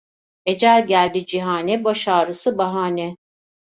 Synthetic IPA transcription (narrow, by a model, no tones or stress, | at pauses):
e̞d͡ʒælʲɟælʲd̪id͡ʒiɦaːnɛbaʃaːɾɯsɯbaɦaːnɛ